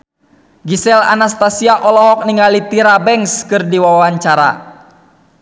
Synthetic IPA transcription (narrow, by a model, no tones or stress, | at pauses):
ɡisɛla̰nast̪asiaʔɔlɔɦɔk̚niŋalit̪iɾabɛŋskɨrdiwawawaɲt͡ʃaɾa̰